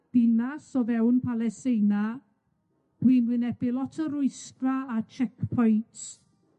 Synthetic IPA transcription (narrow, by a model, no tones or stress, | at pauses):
d̥ɪnasɔvɛwnpʰalˠɛstejna | wiːnwɪnɛb̥ɪlˠɔtʰəɾʊɨstraat͡ʃʰɛkpʰɔjnts